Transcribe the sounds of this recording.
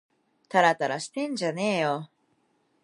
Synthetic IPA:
t̪aɾat̪aɾaɕi̥t̪ẽ̞ɲ̟d͡ʑane̞ːjo

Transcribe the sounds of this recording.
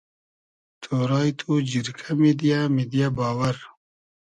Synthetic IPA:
t̪ʰoːɾɑːjt̪ʰud͡ʑiɾkʰamid̪ijamid̪ijabɑːwaɾ

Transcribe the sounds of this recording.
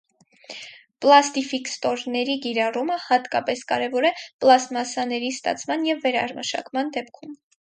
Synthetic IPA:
plɑst̪ifikst̪ɔɾnɛɾikiɾɑruməhɑt̪kɑpɛskɑ̰ɾɛvɔɾɛplɑsmɑsɑnɛɾist̪ɑ̰t͡sʰmɑnjɛvːɛɾɑɾməʃɑ̰kmɑnd̪ɛp̚kʰum

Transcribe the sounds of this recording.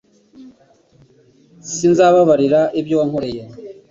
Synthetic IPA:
sinzaβaβaɾiɾaʔebjowaŋ̥hoɾeje

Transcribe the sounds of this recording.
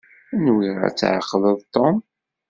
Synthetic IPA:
ænwiʁa̰t͡sːʕəqːləðˤt̪ːom

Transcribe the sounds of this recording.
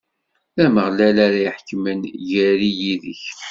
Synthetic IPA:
æməʁlælaɾajħkːmənʝæɾijiðə̰ç

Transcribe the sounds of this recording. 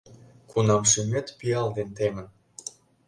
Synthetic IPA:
kunɑmʃymʲet̪piɑld̪ent̪emə̆n

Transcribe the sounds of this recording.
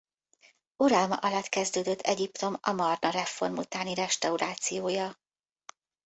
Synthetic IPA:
uɾɒlmɒ̰ʔɒlɒt̪kɛzd̪øːd̪øt̪ʰːɛɟipt̪o̞mɒ̰mɒrnɒɾɛfo̞rmṵt̪aːniɾɛʃt̪ɒuɾaːt̪sijoːjɒ

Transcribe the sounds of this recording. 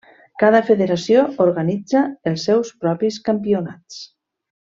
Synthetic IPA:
kaðafeðeɾasiooɾɣanid͡zaelˠsːɛwspɾɔpiskampiunat͡s

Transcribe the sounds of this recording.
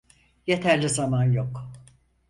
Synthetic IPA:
jet̪ʰæɾlʲizamanjo̞k

